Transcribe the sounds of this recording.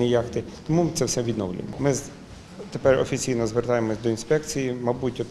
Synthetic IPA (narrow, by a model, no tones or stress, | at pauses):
ijɑxt̪ɪt̪ɔmumt̪sɛwsɛʋʲid̪nɔwlʲʊ̰jḛmɔmɪ | t̪epɛrɔ̰fʲit͡sʲijnɔzʋert̪ɑjemɔsʲd̪ɔinspɛkt͡sʲijimɐbutʲɔt̪